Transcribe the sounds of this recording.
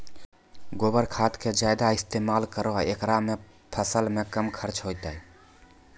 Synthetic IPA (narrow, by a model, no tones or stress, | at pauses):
ɡobəɾkʰat̪ked͡ʒajd̪aist̪emalkəɾɔɦekɾame | pʰəsəlmekəmkʰəɾt͡ʃɦojt̪əj